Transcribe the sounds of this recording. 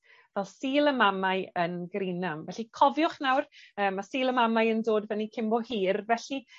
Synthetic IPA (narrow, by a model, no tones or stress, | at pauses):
vɛlˠsiːlˠəmamaɨənɡrinamvɛɬikʰɔvjʊχnawrəːmasiːlˠəmamajəndoːdvɛnikʰɪmbɔhiːrvɛɬi